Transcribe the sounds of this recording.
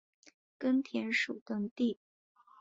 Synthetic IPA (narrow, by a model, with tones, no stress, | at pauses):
kə˥nt̪ʰjɛ˧˥nʂu˨˩t̪ə˥ŋt̪i˥˩